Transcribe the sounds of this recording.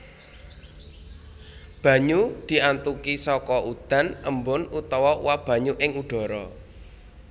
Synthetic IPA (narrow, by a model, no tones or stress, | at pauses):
b̥ä̤ɲud̪̥i̤ʔant̪ukisɔkɔʔud̪̥a̤nʔə̰mbʊnut̪ɔwɔwab̥ä̤ɲuʔɪŋuɖ̪̥ɔ̤ɾɔ